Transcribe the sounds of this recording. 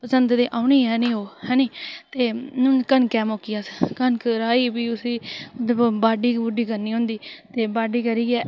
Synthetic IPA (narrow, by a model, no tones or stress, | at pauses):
pəsənt̪d̪eːʔaːʊniːɦɛːnĩːɦoːhɛːniːt̪eːnũːkənkɛːmoːkijaːskənkəɾaːiːbiːʊsiː | baːɖiːbʊɖiːkəɾniːɦõːnd̪iːt̪eːbaːɖiːkəɾiːɡɛː